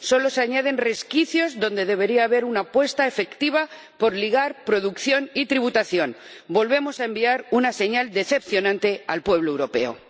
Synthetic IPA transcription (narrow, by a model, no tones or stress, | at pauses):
so̞lo̞saɲað̞e̞nre̞skiθjo̞zðo̞nd̪e̞ðe̞β̞e̞ɾiaːβe̞ɾunapwe̞st̪aefe̞kt̪iβ̞a | po̞ɾliɣaɾpɾo̞ðukθjo̞nit̪ɾiβut̪aθjo̞n | bo̞lβe̞mo̞saembiaɾunase̞ɲald̪e̞θe̞pθjo̞nãnt̪e̞alpwe̞β̞loe̞wɾo̞pe̞̰o̰